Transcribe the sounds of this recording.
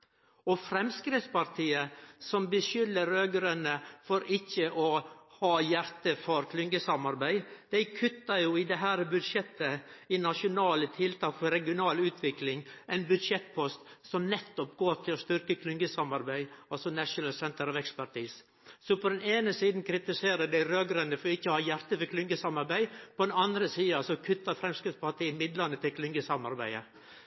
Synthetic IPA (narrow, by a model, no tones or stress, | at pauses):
ɔfɾɛmskɾɪftspɑɾt̪ʰiːəsɔmbəʃʏlːəɾøːɡəɾənəfɔɾɪçːəʔɔhɑːjæɾt̪əfɔɾkʰlʏŋɡəsɑmɑɾbæɪd̪̥æɪkʰʉt̪ːəɾjuɪd̪ɛɦæːɾbʉd̪ʂɛt̪ːəɪnɑʃʊnɑːlət̪ʰɪlt̪ʰɑːkfɔɾɛɡɪʊnɑːlʉːt̪ʰʋɪklɪŋæɪnbʉd̪ʂɛt̪̚pʰɔst̪sɔmnɛt̪ːɔpɡoːʈ̪ʰɪlɔst̪ʏɾkəkʰlʏŋɡəsɑmɑɾbæɪɔsɔnæʂʊnəlsɛnt̪əɾɑʋɛkspæʈʰiːs | sɔpʰɔd̪ɛneːnəsiːd̪n̩kʰɾɪt̪ɪseːɾəd̪æɪɾøːɡɾʉnəfɔɾɔɪçːəhɑːjæɾt̪əfɔkʰlʏŋɡəsɑmɑɾbæɪpʰɔd̪ɛnɑnd̪ɾəsiːɑsɔkʰʉt̪ːɑɾfɾɛmskɾɪt̪pɑɑt̪̚d̪ɛɪɪmɪd̪lɑnət̪ʰɪlkʰlʏŋɡəsɑmɑɾbæ̰ɪə̰